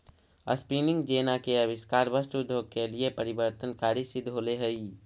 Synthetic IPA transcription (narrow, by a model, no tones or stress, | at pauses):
ə̰spiːnɪ̃ŋɡd͡ʒeːnakeɐʋɪskaːɾbəsʈʊd̪ʱjoːɡ̚keliepəɾɪbəɾt̪ənkaːɾisɪd̪ʱɦoːleɦɛi